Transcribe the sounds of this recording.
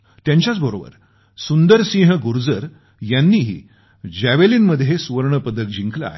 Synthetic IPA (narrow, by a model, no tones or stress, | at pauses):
t̪jaɲt͡ɕjat͡sbəɾobə̰ɾ | sund̪əɾsĩːɦəɡuɾd͡zəɾ | janːiːɦḭː | d͡ʑæʋeliːnməd̪ʱjesuʋəɾɳəpəd̪ʱək̚d͡ʑiŋkla̰a̰ɦe